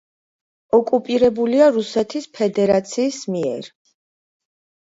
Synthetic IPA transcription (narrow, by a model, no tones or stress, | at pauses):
ɔkʼupʼiɾɛbuliaɾusɛt̪ʰispʰɛd̪ɛɾat̪sʰiːsmiɛ̰ɾ